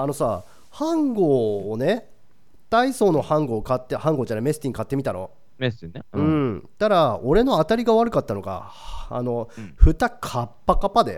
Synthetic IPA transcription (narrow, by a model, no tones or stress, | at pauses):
ano̞sa̰ː | hãŋɡoːne̞ | t̪aiso̞ːno̞hãŋɡo̞ːkat̪ːehãŋɡo̞ːt͡ɕaɾame̞sɨ̥t̪iɲikat̪ːe̞mʲit̪aɾo̞̰ | mesɯ̟̃ɴt̪aɾao̞ɾe̞no̞at̪aɾʲiɡaβaɾɯ̟kat̪ːano̞ɡa̰a̰no̞ɸɯ̟t̪akʰapːakapad̪ḛ